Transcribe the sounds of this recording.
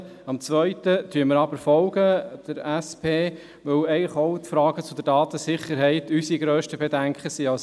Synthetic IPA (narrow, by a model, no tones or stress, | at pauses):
ɑmt͡sʋœʏtət̪ʰyːməɾɑbəɾfɔlɡ̥əd̥əɾɛspʰeː | ʋœwɛɪɡləχɔʊt̪fɾɑːɡ̥ət͡sʊd̪əɾdɑːt̪əsɪχəɾɦɛɪt̪ysiɡɾøːʃtəbedæŋkχəsiːɑws